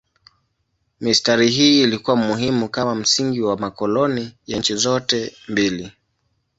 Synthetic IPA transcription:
mistaɾiɦiːlikuwamuɦimukamam̩siŋɡiwamakɔlɔnijant͡ʃizɔtɛmbili

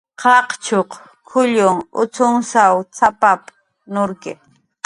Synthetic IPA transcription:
qɑqt͡ʃoq | kʰʊʎʊŋʊt͡sʊŋsawt͡sʰapap | nʊɾkɪ

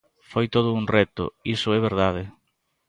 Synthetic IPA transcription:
fojt̪oðʊuŋrɛt̪ʊ̰isʊɛβ̞eɾðað̞ɪ

